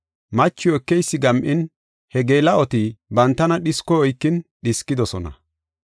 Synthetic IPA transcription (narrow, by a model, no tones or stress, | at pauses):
mɐt͡ʃːɪɛkːɛjsːɪɡɐmʔɪn | hɛɡeːlɐɔt̪ibɐnt̪ːɐnɐɗɪskːɔɔjkːɪnɗɪskːɪd̪ɔsɔnɐ̰